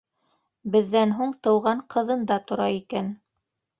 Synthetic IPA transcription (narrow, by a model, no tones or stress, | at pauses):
bɘ̆ðːænɦuɴt̪ɤ̆wʁɑɴqʰɤ̆ðɤ̆nd̪ɑt̪ŏɾɑikæn